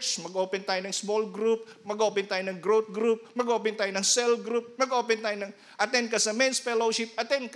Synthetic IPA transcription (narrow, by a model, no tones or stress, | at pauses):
t͡ʃsmɐɡo̞ːpɛnt̪aːjonɐŋsmolɡɾup̚mɐɡoo̞ːpɛnt̪aːjonɐŋɡɾowt̪̚ɡɾup̚mɐɡoʔoːpɛnt̪aːjonɐŋsɛlɡɾup̚mɐɡoːpɛnt̪aːjonɐŋ | ʔɐt̪ɛnd̪̚kɐsɐmɛnsfɛloʃɪp̚ɐt̪ɛnd̪̚k